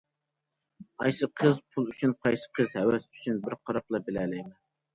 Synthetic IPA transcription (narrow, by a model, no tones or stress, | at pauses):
ɑjsɨqʰəzpʰulˠyt͡ʃʰynpʰɑjsɨ̥qʰəzhɛwɛsy̥t͡ʃʰynbɪɾqʰɑɾɑplˠɑbɪlɛlɛjmɛn